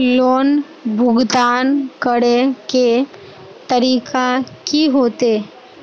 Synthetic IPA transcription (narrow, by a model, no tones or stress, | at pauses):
loːn | bʱʊɡd̪aːnkəɽeke | t̪əɾiːkakiɦoːt̪eː